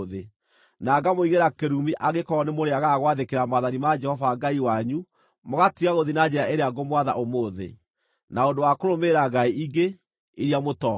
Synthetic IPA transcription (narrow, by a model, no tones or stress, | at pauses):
ðe | naːɡamoiɣeɾakeɾumiʔaɣekɔnemoɾeaɣaɣwaðekeɾamaðanimad͡ʒɛhɔvaɡaiwaɲu | moɣatiɣaɣoðinad͡ʒeɾaeɾeaɡomwaða̰ʔomoːðḛ | naondowakoɾomeɾaɡaiʔiɡe | iɾjamotɔ